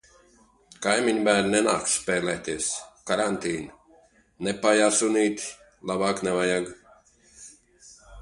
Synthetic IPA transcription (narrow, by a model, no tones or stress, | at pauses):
kajmiɲbæːɾnʲnɛnaːkspʲɛːlɛːt̪iɛskaɾant̪iːn | nɛpajasuniːt̪ʲ | lˠabaːknɛvajaɡ